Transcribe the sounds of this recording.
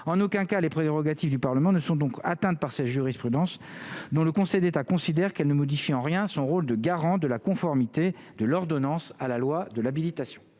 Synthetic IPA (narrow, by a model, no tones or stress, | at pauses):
ɑ̃nokɛ̃kalepχeʁɔɡat̪ifd̪ypaʁləmɑ̃nəsɔ̃d̪ɔ̃kat̪ɛ̃t̪̚paʁsɛʒyʁispχyd̪ɑ̃sd̪ɔ̃ləkɔ̃sɛjd̪et̪akɔ̃sid̪ɛʁkɛlnəmɔd̪ifiɑ̃ʁjɛ̃sɔ̃ʁold̪əɡaʁɑ̃d̪əlakɔ̃fɔʁmit̪e | d̪əlɔʁd̪ɔnɑ̃salalwad̪əlabilit̪asjɔ̥̃